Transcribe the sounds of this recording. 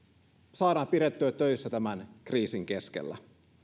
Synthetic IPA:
sɑːɾɑːmpiɾet̪ːøøt̪øɥsːæt̪æmænkriːsiŋke̞sk̟ḛlːæ̰

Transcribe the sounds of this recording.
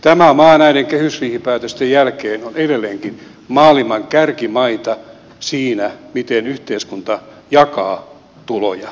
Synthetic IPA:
t̪æmæmɑːnæineŋkehysriːhipæːt̪øst̪ejjælkeːnoneɾelːeːŋkin | mɑːlimɑŋkærkimɑit̪ɑ | siːnæmit̪enyht̪eiskunt̪ɑ | jɑkɑː | t̪ulo̰jɑ

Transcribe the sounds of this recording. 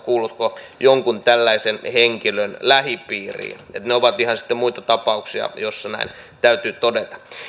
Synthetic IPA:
kuːlːut̪kojoŋkunt̪ælːæisenheŋkilønlæhipiːrḭːḛt̪neoʋɑt̪ihɑnsi̥t̪ːemuit̪ɑt̪ɑpɑuksiɑ̰josːɑnæ̰int̪æyt̪yːt̪odet̪ɑ̥

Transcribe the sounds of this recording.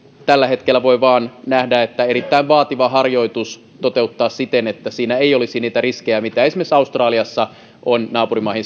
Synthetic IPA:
t̪ælːæhe̞t̪kelːæʋoiʋɑːnnæhdæet̪ːæeɾit̪ːæiʋʋɑːt̪iʋɑɦɑrjo̞it̪us | t̪ot̪e̞ut̪ːɑːssit̪enet̪ːæsiːnæejo̞lisiniːt̪æriskejæmit̪æesmesɑust̪rɑːliɑsːɑ | ʔonnɑːpurimɑˑihin

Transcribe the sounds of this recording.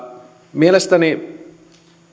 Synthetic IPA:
mielest̪ani

